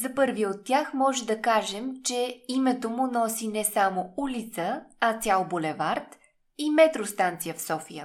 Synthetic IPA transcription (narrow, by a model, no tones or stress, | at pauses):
zɐpɤɾviot̪ːjaxmɔʒɛd̪ɐkaʒɛmt͡ʃɛimɛt̪omʊnɔsinɛsamoulit̪səɐt̪sʲjalˠbolɛvaɾt̪ | imɛt̪ɾost̪ant̪sijəfsɔfijə